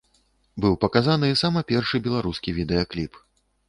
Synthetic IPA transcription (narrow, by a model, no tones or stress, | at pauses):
bɨwpɐkazanɨisamɐpʲɛrʂɨbʲɛlˠaɾuskʲivʲid̪ɛjɐklʲip